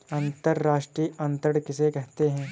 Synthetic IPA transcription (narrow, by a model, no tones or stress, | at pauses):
ɐ̃nt̪əɾːaːʃʈɾiːɐ̃nt̪əɽkɪsekɛɦt̪eɦɛ̃ː